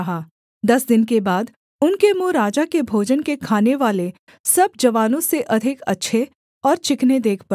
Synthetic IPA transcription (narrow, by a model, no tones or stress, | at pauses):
ɦaː | d̪ɐsd̪ɪnkebaːd̪ | ʊnkemuɾaːd͡ʒakebʱoːd͡ʒənkekʰaːneʋaːle | sɐb̚d͡ʒɐʋaːnõseʔɐd̪ʱɪkɐ̰tːʃʰe | ɔːɾt͡ʃɪkned̪eːkʰp